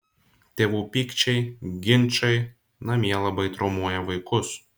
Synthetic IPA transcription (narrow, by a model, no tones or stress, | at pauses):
t̪ʲeːʋuːpʲiːkt͡ʃʲɛɪɡʲɪnʲˑt͡ʃɐɪ | nɐmʲiɛlˠɐbɐɪt̪ɾɔmuɔjɛʋɐɪkʊs